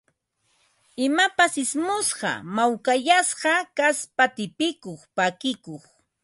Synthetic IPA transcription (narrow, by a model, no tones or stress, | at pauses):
ɪmapasɪsmʊsɢɑ̰mawkaʎasɢɑkaspat̪ɪpɪkoχpakɪkoχ